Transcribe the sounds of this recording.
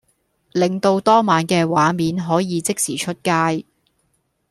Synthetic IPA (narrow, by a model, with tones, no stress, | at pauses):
lɪ˨ŋt̪o˧wt̪ɔː˥maː˨nkɛː˧waː˨˥miː˨˥nɦɔː˨˥jiː˨˧t͡sɪ˥k̚siː˨˩t͡ʃʰɵ˥t̚kaː˧˥j